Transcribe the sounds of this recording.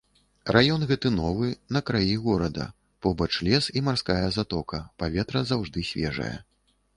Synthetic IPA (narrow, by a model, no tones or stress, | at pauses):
rʔajɔnɣɛt̪ɨnɔvɨnɐkɾajiɣɔɾɐd̪ɐ̰ | pɔbɐt͡ʂlʲɛsimarskajɐzat̪ɔkɐpavʲɛt̪ɾɐzawʐd̪ɨsʲvʲɛ̰ʐɐ̰jɐ̰